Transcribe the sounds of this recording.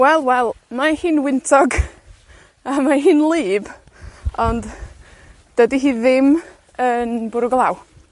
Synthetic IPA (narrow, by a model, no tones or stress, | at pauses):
wɛlˠwɛlˠmahiːnwɪntʰɔɡ | amaɦiːnlˠɨːb | ɔnd | d̥ədiɦiːðɪm | ənbʊɾʊɡlˠaw